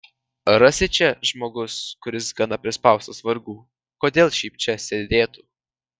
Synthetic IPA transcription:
ɾɐsʲɪt͡ʃʲɛʒmoːɡʊskʊɾʲɪsɡɐnɐpʲɾʲɪspɑˑʊst̪osʋɐɾɡuː | koːd̪ʲeːlˠʃʲiːp̚t͡ʃʲɛsʲed̪ʲeːt̪uː

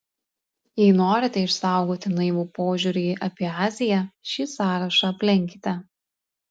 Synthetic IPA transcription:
jɛɪnoːɾʲɪt̪ʲɛɪʃsɑˑʊɡoːt̪ʲɪnɐɪʋuːpoːʒʲuɾʲɪʔɐpʲiɛɑːzʲɪjɛʃʲiːsɑːɾɐʃɑɐpʲlʲɪŋʲkʲɪ̥t̪ʲɛ

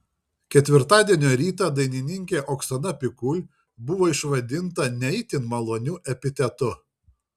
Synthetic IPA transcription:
kʲɛt̪ʲʋʲɪɾt̪ɑːd̪ʲiɛnʲoːɾʲiːt̪ɐˑd̪ɐɪnʲɪnʲɪŋʲkʲeːʔoːksɐnɐpʲɪkʊlʲ | bʊʋoːɪʃʋɐd̪ʲɪnt̪ɐnʲɛɪt̪ʲɪnmɐlˠoːnʲuːʔɛpʲɪt̪ʲɛt̪ʊ

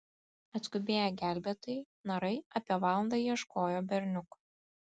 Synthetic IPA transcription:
ɐt̪skʊbʲeːjɛɡʲæˑlʲbʲeːt̪ɐj | nɐɾɐɪɐpʲiɛʋɑːlˠɐnd̪ɐjiɛʃkoːjoːbʲɛɾʲnʲʊk

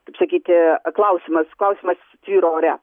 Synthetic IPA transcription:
kɐɪpsɐkʲiːt̪ʲɪklˠɐʊsʲɪmɐsklˠɐʊsʲɪmɐs | t̪ʲʋʲiːɾoːoːɾʲɛ

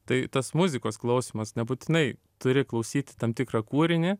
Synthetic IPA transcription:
t̪ɐɪt̪ɐsmʊzʲɪkoːsklˠɐʊsʲɪmɐsnʲɛbuːt̪ʲɪnɐɪ | t̪ʊɾʲɪklˠɐʊsʲiːt̪ʲɪ̥t̪ɐmt̪ʲɪkɾɐkuːɾʲɪnʲe

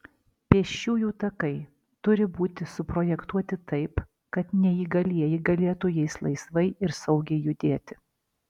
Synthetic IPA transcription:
pʲiɛʃʲuːjuːt̪ɐkɐɪ | t̪ʊɾʲɪbuːt̪ʲɪsʊpɾoːjɛkt̪uɔt̪ʲɪt̪ɐɪp | kɐt̪nʲɛiːɡɐlʲiɛjɪɡɐlʲeːt̪ʊjɛɪslˠɐɪsʋɐɪɪɾsɐʊɡʲɛɪjʊd̪ʲeːt̪ʲɪ̥

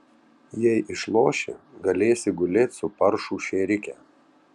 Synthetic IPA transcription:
jɛɪʔɪʃlˠoːʃʲɪ̰ɡɐlʲeːsʲɪɡʊlʲeːt̪ʲsʊpɐɾʃuːʃʲeːɾʲɪkʲɛ

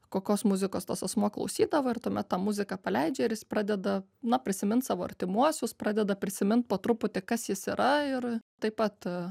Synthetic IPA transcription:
koːkʲoːsmʊzʲɪkoːst̪oːsɐsmuɔklˠɐ̰ʊsʲiːd̪ɐʋɐːɪrt̪uɔmʲɛt̪t̪ɑːmʊzʲɪkɑpɐlʲɛɪd͡ʒʲɛɪɾjɪspɾɑːd̪ʲɛd̪ɐ | nɐpʲɾʲɪsʲɪmʲɪnt̪sɑːʋoːɐ̰ɾʲt̪ʲɪmuɔsʲʊspɾɑːd̪ʲɛd̪ɐpʲɾʲɪsʲɪmʲɪnt̪̚poːt̪ɾʊpʊt̪ʲɪkɐsjɪsiɾʔɐɪrt̪ɐɪpɐt̪

